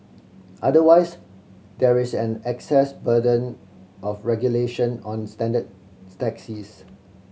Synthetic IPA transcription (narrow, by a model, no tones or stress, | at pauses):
ʔadəwaɪs | dɛɹisɛ̃nɛksɛsbədə̃n | ʔɔfɹɛɡjuleʃə̃nɔ̃nstɛ̃ndəd̚ | tɛksis